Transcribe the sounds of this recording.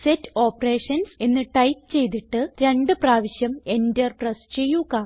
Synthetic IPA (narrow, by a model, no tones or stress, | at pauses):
setːɨo̞ːpːɐre̞ːʂɐnse̞nːɨʈɐjtɨt͡ɕe̞jt̪̬iʈːɨɾe̞ɳɖɨpraːʋiɕjɐme̞ndɐrprɐst͡ɕe̞jːuɣɐ